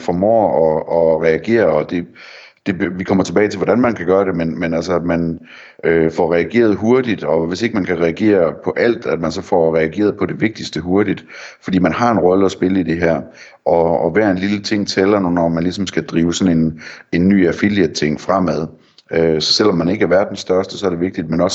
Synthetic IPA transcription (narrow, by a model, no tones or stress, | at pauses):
fɒmɒ̰ːɒ̽ɒʁɛæɡ̥e̝̰ːɐɒ̽d̥e̝ | d̥e̝ʋikʰɒ̽m̰ɐt͡sʰe̝b̥ɛːɪt͡sʰe̝lʋɒdænmænkʰæɡ̥ɶːɐɾe̝menmenælsəmæn | øfɒʁɛæɡ̥e̝̰ːɐð̞̩ˠɦo̝ɐd̥id̥ɒ̽ʋe̝se̝ɡ̥əmænkʰæʁɛæɡ̥e̝̰ːɐpʰɒ̽ʔæl̰d̥æd̥mænsɒ̽fɒʁɛæɡ̥e̝̰ːɐð̞ˠpʰɒ̽de̝ʋe̝ɡ̥̚d̥isd̥əɦo̝ɐd̥id̥fɒ̽d̥ḭːmænɦɑ̈e̝nʁɒ̽ləɒ̽sb̥e̝ləid̥e̝ɦæɐ̰ | ʔɒ̽ːʋæːɐe̝nlilət͡sʰe̝ŋ̰t͡sʰelɐnonɒmænlisɒ̽msɡ̥æd̥ʁiːʊsɒ̽nene̝nːy̰ːæfiljət͡sʰe̝ŋ̰fʁam̰æðˠ | øsɒ̽sel̰ɒ̽mːæne̝ɡ̥əæɐʋæɐ̰d̥en̩sd̥ɶɐsd̥əsɒ̽ɐdɾe̝ʋeɡ̥d̥id̥menɒ̽s